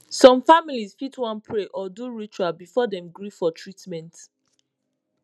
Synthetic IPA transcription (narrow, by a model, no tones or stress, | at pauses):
sɔ̃mfamilizfitwãnpʰɹeʔɔduɹit͡ʃualbifɔdɛ̃mɡɹifɔtʰɹitmɛ̃nt